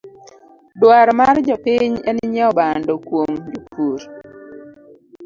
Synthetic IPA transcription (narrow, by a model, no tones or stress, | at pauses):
dwaɾmard͡ʒɔpiɲɛnɪɲɛɔbandɔkwomd͡ʒopʰuɾ